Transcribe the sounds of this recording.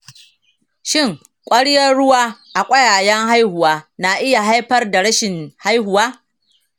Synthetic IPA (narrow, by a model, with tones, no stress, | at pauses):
ʃɪ˦˨ŋ | kʷʼɐ˦ɽjɐ˦rɽʊ˦waː˦ʔa˨kʷʼɐ˦jaː˨jɐ˦ŋɦa˦jhʊ˨waː˦na˨ʔɪ˦ja˨ɦa˦jɸɐ˦rda˨ɽɐ˦ʃɪ˨nha˦jɦʊ˨waː˦